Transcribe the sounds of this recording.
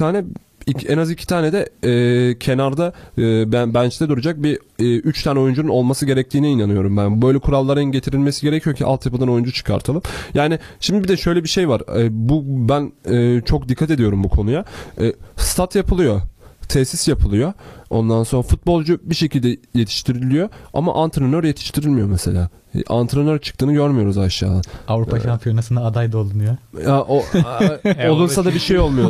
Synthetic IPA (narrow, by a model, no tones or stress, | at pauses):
aːnɛ | iɛnazicʰi̥t̪ʰaːned̪ɛɛːcʰe̞naɾd̪abbænt͡ʃʰt̪ʰɛd̪uɾud͡ʒak̚biʔyt͡ʃt̪ʰaːnɛo̞jund͡ʒununo̞lˠmasɯɟe̞ɾɛc̚t̪ʰiːnɛinanɯjo̞ɾumbænbø̞jlʲɛkʰuɾalˠːaɾɯnɟe̞t̪ʰiɾilʲmesiɟe̞ɾɛcʰijo̞cʰiʔa̰lˠt̪ʰjapɯd̪ano̞jund͡ʒut͡ʃʰɯ̥kʰa̰ɾt̪ʰalˠɯmjaːnɪʃimd̪ibid̪ɛʃø̞jlʲɛbiʃe̞jvaɾbubænɛːt͡ʃʰo̞k̚d̪ikʰːat̪e̞d̪ijo̞ɾumbukʰo̞nujaː | st̪ʰat̪japʰɯlˠɯjo̞t̪ʰɛsisjapʰɯlˠɯjo̞ond̪anso̞nɾafut̪̚bo̞lˠd͡ʒubiʃecilʲd̪ɛje̞t̪ʰi̥ʃt̪ʰiɾilʲijo̞a̰ma̰ʔant̪ʰɾenøɾje̞t̪ʰi̥ʃt̪ʰiɾilʲmijo̞mese̞̰lʲa̰ː | ʔa̰nt̪ʰɾenøɾt͡ʃʰɯ̥kt̪ʰɯːnɯɟøɾmyjo̞ɾuzaʃja̰ːd̪anavɾupʰaʃampʰijonasɯnaːd̪ajd̪aolˠunujoaʔo | olˠunsad̪abiʃe̞jo̞lˠmujo